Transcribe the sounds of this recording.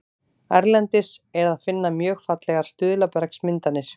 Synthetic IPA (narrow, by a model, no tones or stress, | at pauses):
aɾlɛnt̪ɪsɛɾaðfɪnːamjœːxfat̪lɛɣaɾ̥st̪ʏːðʏlapɛɾksmɪnt̪anːɪɾ̥